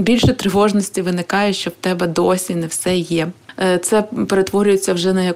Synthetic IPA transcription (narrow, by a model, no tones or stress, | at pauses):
bʲilʲʃɛt̪ɾɪʋɔʒnɔsʲtʲiʋɪnɪkɑjɛʃt͡ʃɔwt̪ɛbɛd̪ɔsʲinɛwsɛjɛt̪sɛpeɾet̪ʋɔɾʲʊjet͡sʲːɐwʒɛnɐjɐ